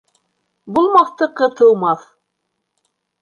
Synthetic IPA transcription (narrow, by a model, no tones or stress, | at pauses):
bulˠmɑθt̪ɤqɤ̆t̪ɤ̆wmɑθ